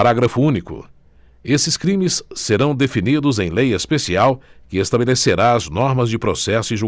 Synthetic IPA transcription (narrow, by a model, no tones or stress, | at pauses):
ɾaɡɾɐfuũnikʊ̰ | esɪskɾĩmɪsːeɾɐ̃w̃d̪efinid̪ʊzẽj̃lejɐspesiawkɪest̪abeleseɾaɐznɔɾmɐzd͡ʒɪpɾosɛsʊĩʒu